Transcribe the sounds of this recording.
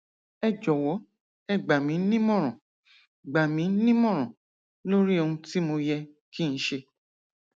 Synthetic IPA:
ɛ˧d͡ʒɔ˨wɔ˨˦ | ɛ˦˨ɡ͡ba˨mĩ˨˦nĩ˦mɔ̃˦˨ɾ̃ɔ̃˨ | ɡ͡ba˨mĩ˨˦nĩ˦mɔ̃˦˨ɾ̃ɔ̃˨ | lo˦ɾi˦o˧hũ˧ti˦mo˧jɛ˧ki˦˧ñ̩˨˦ʃe˧

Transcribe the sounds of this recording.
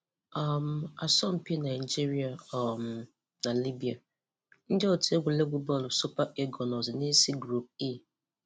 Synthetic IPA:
a˦˨m̩˨a˨sɔ˦m̩˦pi˦na˨i˨d͡ʒi˦ɾi˦a˨m | na˨li˦bi˨a˨ | n̩˦dɪ˦o˨tʰe˦ɡʷu˨le˦ɡʷu˦bɔ˦˨lsu˦pa˦ʔe˦ɡɔ˨nɔ˨zne˦si˦ɡɾu˦p̚i˦

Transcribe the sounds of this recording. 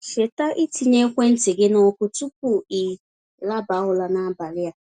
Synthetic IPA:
ʃe˨ta˦ʔi˦ti˨ɲe˦kʷe˦n̩˦te˨ɡe˦no˦kʊ˦tu˦k̚u˦˨i˨ | la˦ba˨˦ɦʊ˦la˨na˦a˦ba˨lɪ˦ja˦

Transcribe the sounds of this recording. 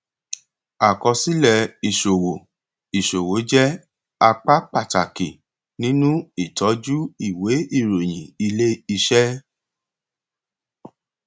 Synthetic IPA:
a˨kɔ˧si˦lɛ˦˨i˨ʃo˨wo˨ | i˨ʃo˨wo˨˦d͡ʒɛ˦ | a˧k͡pa˦k͡pa˦˨ta̰˨ke˨ | nĩ˦nũ˦i˦˨tɔ˨˦d͡ʒu˦i˨we˨˦i˦˨ɾo˨j̃ĩ˨i˧le˦i˧ʃɛ˦

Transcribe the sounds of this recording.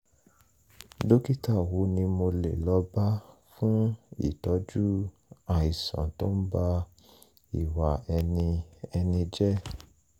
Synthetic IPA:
do˦ki˦ta˦˨wu˨˦nĩ˧mo˧lḛ˨lɔ˨˧˦ba˦fũ˦ḭ˦˨tɔ˨˦d͡ʒu˦ | a˦˨i˨sã̰˨to˦n̩˦ba˦ | i˨wa˨ɛ˧nĩ˧ɛ˧nĩ˧d͡ʒɛ˦

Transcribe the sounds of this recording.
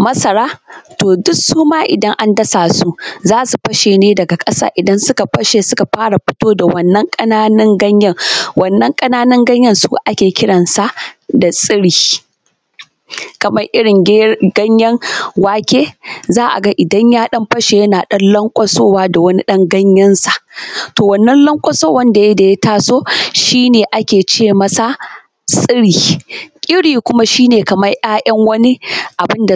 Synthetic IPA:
mɐ˦sɐ˨ɾaː˦toː˨dʊ˦suː˦maː˦ʔɪ˨dɐ˦ŋʔa˦ndɐ˦saː˨su˦zaː˦su˨ɸɐ˦ʃeː˨neː˦dɐ˨ɡa˨kʼɐ˦sa̰ː˦ʔɪ˨dɐ˦nsʊ˦ka˨ɸɐ˦ʃe˨sʊ˦ka˨ɸaː˦ɽa˨ɸɪ̥˦toː˦da˨wɐ˦nːɐ˦ŋkʼɐ˦naː˦nɪ˦ŋɡɐ˦ɲjɐ˦ŋwɐ˨nːɐ˦ŋkʼɐ˦naː˦nɪ˦ŋɡɐ˦ɲjɐ˦nsṵ˦ʔa˦kʲeː˨kʲɪ˦ɽɐ˨nsa˦da˨sʼɪ˦ɽiː˦ | kɐ˨mɐ˦rʔɪ˦ɽɪ˨ŋɡɡɐ˦ɲjɐ˦ŋwaː˦kʲeː˦zaː˦ʔa̰˨ɡɐ˦ʔɪ˨dɐ˦ɲjaː˦ɗɐ˦mɸɐ˦ʃe˨jɐ˦naː˨ɗɐ˦nlɐ˦ŋkʷʼɐ˦soː˦waː˦da˨wɐ˦ni˦ɗɐ˦ŋɡɐ˦ɲjɐ˦nsa˨ʔtoː˨wɐ˨nːɐ˦nlɐ˦ŋkʷʼɐ˦soː˦wɐ˦nda˨je˦da˨ja˦taː˦soː˦ʃiː˦neː˨ʔa˦kʲeː˨t͡ʃeː˦˨mɐ˨sa˦ | sʼɪ˦ɽiː˨kʲʼɪ˦ɽiː˨kʷʊ˦ma˦ʃiː˦neː˨kɐ˨mɐ˦jj̰aː˦ʔɐ˦ŋwɐ˦ni˦ʔa˨bɪ˦nda˨

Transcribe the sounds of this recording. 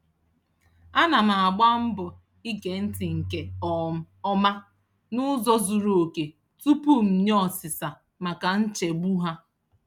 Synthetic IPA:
a˦na˨ma˨a˨ɡ͡ba˦m̩˦bʊ˨ | i˦ɡe˨n̩˦ti˨ŋ̩˨ke˨ɔ˨m̩˦ | ɔ˦ma˦ | nʊ˦zɔ˦zu˨ɾo˨o˨ke˨ | tu˦pu˦m̩˨ɲ˦ɔ˨sɪ˨sa˨ | ma˨ka˨n̩˦t͡ʃe˨ɡ͡bu˦ɦa˦

